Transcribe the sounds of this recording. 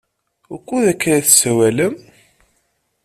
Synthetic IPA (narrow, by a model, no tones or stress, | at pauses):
ʊkʷːuðækːɾæθsæwæləm